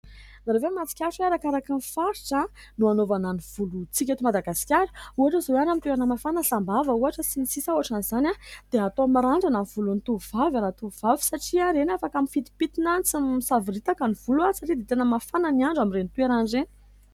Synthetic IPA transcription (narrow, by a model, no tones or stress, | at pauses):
naɾevemat͡si̥kʲaʂweaɾakaɾakinfaɾiʈ͡ʂə | nuanovananiv̥ulut͡sikʲat̪umad̪aɡasi̥kʲaɾə̥uaʈ͡ʂəzoanamit̪ueɾanəmafanəɬambavəuaʈ͡ʂət͡simisisauaʈ͡ʂanizanʲad̪̥eat̪omaɾaɳɖ͡ʐananv̥ulunit̪uvavanat̪uv̥avi̥saʈ͡ʂiaɾenafakamifit̪i̥pit̪inant͡simisaviɾit̪akaniv̥uluasaʈ͡ʂid̪et̪enəmafananiaɳɖ͡ʐamiɾenit̪ueɾanɖ͡ʐeni̥